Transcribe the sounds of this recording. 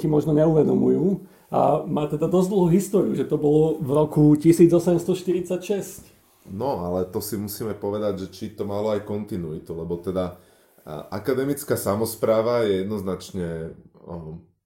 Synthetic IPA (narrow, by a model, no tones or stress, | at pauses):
cimɔʒnɔɲɛuʋɛd̪ɔmujuː | a̰maːt̪ɛd̪ad̪ɔzd̪l̩ˠɦuːɦist̪ɔɾiuʒɛt̪ɔbɔlɔvɾɔkucisiːd͡zɔsɛmst̪ɔʃt̪iɾit͡sacʃɛsc | nɔalɛt̪ɔsimusiːmɛpɔʋɛd̪aɟʒɛt͡ʃit̪ɔmalɔajkɔnt̪inuit̪ulɛbɔt̪ɛd̪a | ʔa̰kad̪ɛmit͡skaːsamɔspɾaːʋajɛjɛd̪nɔznat͡ʃɲɛ